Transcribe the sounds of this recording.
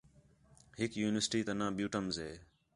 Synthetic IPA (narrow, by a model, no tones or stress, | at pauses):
hɪkjuːnɪʋəsʈiːt̪ənãːbjuːʈəmzɦeː